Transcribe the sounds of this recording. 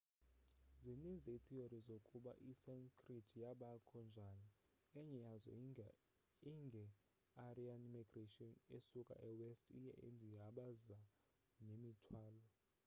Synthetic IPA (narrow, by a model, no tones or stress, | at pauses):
zinind͡zʱɛit̪ʰioɾizokʼuɓa̰ʔisɛnkʰʼritʰijaɓakʰɔnd͡ʒʱani | ɛɲɛjazɔ̰ | iŋɡʱɛ | arianimiɡ̥retʼiɔnesukʼa̰ʔɛwɛstʰʼḭjɛ̰ʔḛndʱijaɓaza | nemitʰwaːlɔ